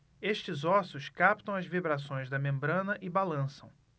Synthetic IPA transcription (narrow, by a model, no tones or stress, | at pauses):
eʃt͡ʃɪzɔsʊskapt̪ɐ̃w̃ɐzvibɾasõj̃zd̪ɐmẽmbɾɐ̃nɐʔɪbalɐ̃sɐ̃w̃